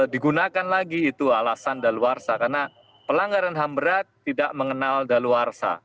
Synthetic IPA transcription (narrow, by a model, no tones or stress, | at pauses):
diɡunakanlaɡiːt̪ualasandaluarsakarna | pəlaŋɡaɾanɦambəɾat̪ːidaʔməŋənaldaluarsa̰